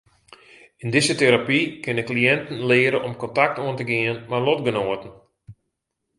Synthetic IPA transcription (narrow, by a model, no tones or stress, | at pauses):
ɪndɪsəteɾapikɪnəkliɛntən̩lɪːəɾəʔɔmkɔntak̚toəntəɡɪənmarlɔtɡənoːətən̩